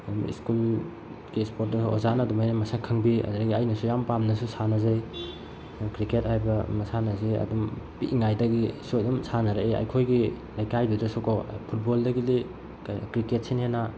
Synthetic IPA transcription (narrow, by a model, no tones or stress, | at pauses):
mḭskul | ɡispoɾt̚dɐsozanɐdumajnɐmɐsakʰɯŋbiɐ̰dɾɡiɐjnɐsujampamnɐsusanɐzaj | kɾikethajbɐmɐsanɐziɐ̰dumpiʔiŋajdɐɡisuɐdumsanɐɾɐʔea̰jkʰojɡi | lajkajdudɐsukʰo̰pʰut̚boldɐɡili | kaj̰kɾiket̚senhena